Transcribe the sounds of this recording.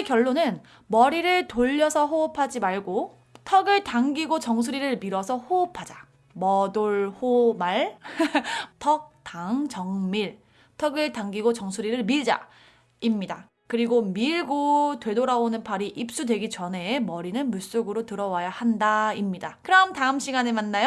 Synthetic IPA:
ekjʌɭːonɯn | mʌɾiɾɯɭtoʎːʌsʰʌɦoːpʰad͡ʑimaɭɡo | tʰʌɡɯɭtaŋɡiɡot͡ɕʌŋsʰuɾiɾɯɭmiɾʌsʰʌhoːpʰad͡ʑa | mʌdoɭhomaɭ | tʰʌk̚taŋt͡ɕʌŋmiɭ | tʰʌɡɯɭtaŋɡiɡot͡ɕʌŋsʰuɾiɾɯɭmiɭd͡ʑa̰ | imɲida | kɯɾiɡomiɭɡotwe̞doɾaonɯnpʰaɾiʔip̚s͈udwe̞ɡit͡ɕʌne̞mʌɾinɯnmus͈oɡɯɾotɯɾʌwajahandaimɲidakɯɾʌmtaɯmɕʰiɡanemanːajo

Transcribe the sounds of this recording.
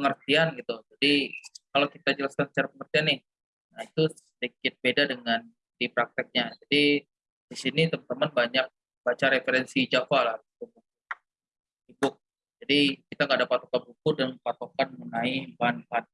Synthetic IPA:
pəŋərt̪ianɡit̪ud͡ʒadikalawkit̪ad͡ʒəlaskansə̥t͡ʃaɾapəŋərt̪ianːɪh | nahit̪usədikɪt̪̚bedadəŋan | dipɾak̚t̪ɪk̚ɲad͡ʒadi | disinit̪əmənt̪əmənbaɲak̚ | bat͡ʃaɾefeɾɛnsid͡ʒafalahɡit̪ubuk̚u | sibʊk̚ | d͡ʒadikit̪aŋɡaːdapat̪okanbukudənpat̪okanmunaibanban

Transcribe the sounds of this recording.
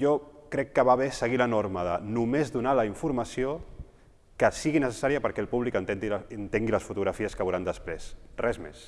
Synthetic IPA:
ʒɔkɾɛkːəβaβesəɣilənoɾməðə̰numezðunaləiɱfuɾmɐsio | kəsiɣinəsə̥saɾiəpəɾkɛlˠpuβlikənt̪ent̪ilənt̪eŋɡiləsfut̪uɣɾafiəskəβuɾand̪əspɾesrɛzmḛs

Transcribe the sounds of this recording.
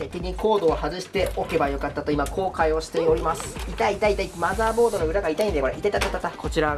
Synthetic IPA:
ekʲiɲ̟ʲiko̞ːd̪o̞ahazɨɕi̥t̪e̞ʔo̞ke̞bajo̞kat̪ːat̪o̞imakʰo̞ːkaio̞ɕi̥t̪e̞o̞ɾʲimasɨ̥it̪ait̪ait̪aimazaːbo̞ːd̪o̞noɯ̟ɾaɡait̪aĩd̪ekoɾaʔit̪et̪at̪at̪at̪ːako̞t͡ɕiɾa

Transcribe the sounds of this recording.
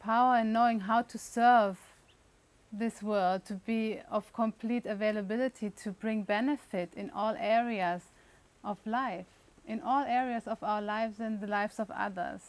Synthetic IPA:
pʰaʊə˞ɨ̃nːoʊɪ̃ŋɦaʊtʰɨsɜ˞v | ðɪswɜ˞lˠd̚tʰɨbiʌv̥kʰə̃mpʰl̥iɾɨveɪləbɪlˠɨtʰitʰɨbɹɪ̃ŋbɛnɨfɪɾɨ̃nʔɔlˠʔɛɹiɨz | ʔʌvlaɪf | ʔɨ̃nʔɔlˠɛɹiɨzʌvaʊə˞laɪvzɨ̃nðɨlaɪfsʌvʌ̰ðə̰˞z̥

